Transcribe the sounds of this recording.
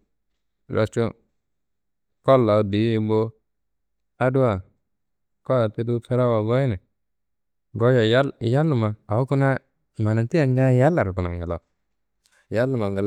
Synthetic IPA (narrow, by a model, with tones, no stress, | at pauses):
ɾa̰˨t͡ʃu˦ | kɔ˦lːa˨˦di˨˦i˦bo˦ | a˦du˦a˨ | kɔ˦a˨ti˦du˦fe˦ɾa˦wa˨ɡɔ˦ji˦nɛ˨ | ɡo˦ja˨ja˦˨ja˦lːu˨ma˨a˨wu˦ku˦na˦ | ma˨na˨ti˦a˨ŋɡa˦ja˦lːa˨ɾku˨na˨ŋɡa˨la̰˨ | ja˦lːu˨ma˨ŋɡa˨l